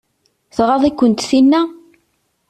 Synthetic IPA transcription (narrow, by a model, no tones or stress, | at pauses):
θʁɑðˤikʷːənt̪θinːæ